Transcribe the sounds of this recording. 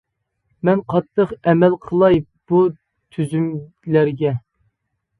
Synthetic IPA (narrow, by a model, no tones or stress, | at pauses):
mɛnqʰɑt̪ʰːəqɛmɛlqʰəlˠɑj | b̥u | t̪ʰyzym | læɾɡʲɛ